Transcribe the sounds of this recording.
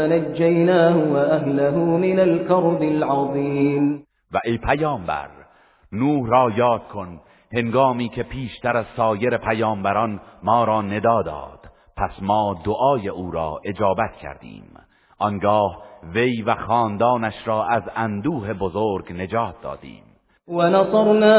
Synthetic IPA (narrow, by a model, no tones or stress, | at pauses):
nad͡ʒːajnaːhʊwaʔaɦlaɦʊːmɪnalkɑɾˤd̪ɪlʕɑðˤiːm | væʔejpʰæjɒːmbæ̰ɾ | nuːhrɒːjɒːd̪̚kʰon | he̞ŋɡɑːmiːcʰe̞pʰiːʃt̪ʰæɾæz̥sɒːjeɾe̞pʰæjɒːmbæɾɒnmɒːɾɒːne̞d̪ɒːd̪ɒ̰ːd̪̥ | pʰæsmɑːd̪oʔɒːjeʔuːɾɒːʔe̞d͡ʒɒːbæt̪cʰæ̰ɾd̪ḭːm | ʔɒŋɡɒːhvejvæxɑːnd̪ɑːnæʃɾɒːʔæzænd̪uːɦe̞bozoɾɡne̞d͡ʒɒːt̪̚d̪ɒ̰ːd̪̥ḭːm | wanɑsˤɑɾˤnaː